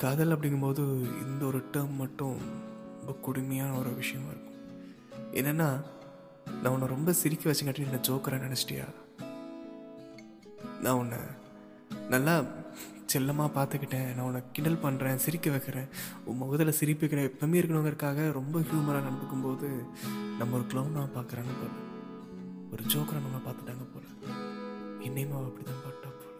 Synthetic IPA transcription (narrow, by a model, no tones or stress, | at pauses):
kaːðɐlɐp̬ːɐɽɪŋɡɯmpoːðɯɪ̰nd̪ɐɔɾɯʈːɐmːɐʈːʊ̃ɾɾɾɔmbɐkʊɽʊmɐjaːnɐɔɾɯʋɪʂɐjɐ̃mɪ̰ɾɯkːʊ̥̃ | ɛ̰ːnːɛnːaː | nʔãːɔnːɐɾɔmbɐsɪɾɪkːɐʋɐt͡ʃːɐŋkɐʈːɪnɛnːɐd͡ʒoːkɐɾãːnɪnɐt͡ʃːɪ̥ʈɪ̰ja̰ː | nãːɔnːɐ̰ | nɐlːaː | t͡ʃɛlːɐmaːpaːɾt̪ɯkːɪʈːẽːnãːɔnːɐkɪɳɖɐlpɐɳːɾẽːsɪɾɪkːɐʋɛkːɪɾẽːʊmɔɣɯðɐlɐsɪɾɪpːɪkːɐɽẽːɛpːɐmiɪɾɯk̬ːɐɳɐʋɐŋɡɐɪɾɯkːaːɣɐɾɔmbɐhjuːmɐɾaːnɐɽɯt̪ːɯkːɯmpoːðɯ | nɐmːɐɔɾɯkɪlɐʊnmaːpaːɾkɯɾãːnːɯpɐ | ɔɾɯd͡ʒoːkɐɾɐ̃nɐmːɐpaːɾt̪ɯʈːaːŋɡɐpo̰ːlɐ | ɪnːɛjmaːɐpːɐɽit̪ãːpaːɾʈːaːpo